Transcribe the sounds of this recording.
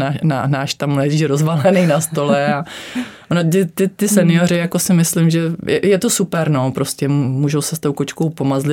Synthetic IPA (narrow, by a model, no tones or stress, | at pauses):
aːna̰naːʃt̪ammlɛʒiːʃɾozvalɛnejnast̪o̞lɛa | onot̪ɪt̪ɪt̪ɪsɛnɪjoɾɪjako̞sɪmɪslɪmʒɛjɛjɛt̪o̞supɛɾno̞pɾoscɛmmuːʒowsɛst̪owkot͡ʃkowpo̞mazlɪ